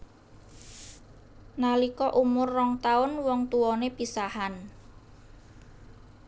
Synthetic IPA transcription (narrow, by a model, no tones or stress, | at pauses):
nalikɔʔumʊrːɔŋt̪aʊnwɔŋt̪uwɔnepisahan